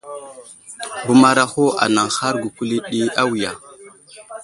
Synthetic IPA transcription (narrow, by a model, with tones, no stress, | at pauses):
bu˨ma˦ɾa˦xo˦a̰˨na˨ŋxa˦ɾɡu˨ku˦li˦ɗi˦a˦wi˨ja˨